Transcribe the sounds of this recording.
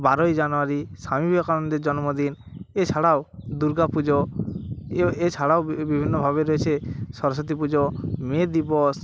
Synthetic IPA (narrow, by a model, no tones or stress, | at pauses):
baɾɔjd͡ʒanɔaɾisamibʱiɔkaɾɔnd̪ed͡ʒɔnɔmod̪in | et͡ʃʰaɽawd̪uɾɡapud͡ʒo | et͡ʃʰaɽawbibʱinːɔbʱaβeɾɔet͡ʃʰesɔɾs̬ɔt̪̬ipud͡ʒomed̪ibɔs